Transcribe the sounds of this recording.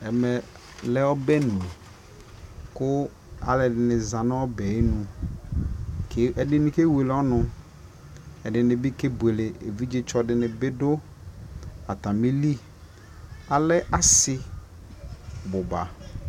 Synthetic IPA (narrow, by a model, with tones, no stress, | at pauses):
ɛ˨mɛ˨ | lɛ˦ɔ˦bɛ˦nũ˨ | kʊ˦ | a̰˨lɛ˨dɪ˨nɪ̃˨zã˨nɪ˦ɔ˦bɛ˨e˦nũ˨ | ke˦ɛ˨dɪ˦nĩ˦ke˦we˨lɔ˦nʊ̃˨ | ɛ˨dɪ˨nɪ̃˨bɪ˦ke˦bu˨e˨le˨ḛ˨vi˦d͡ʒɪ˦t͡ʃɔ˦dɪ˨nɪ̃˨bɪ˦dʊ˦ | a˨t̪a˨mi˦li˦ | a˨lɛ˦ʔa˨sɪ˦ | bʊ˨ba̰˨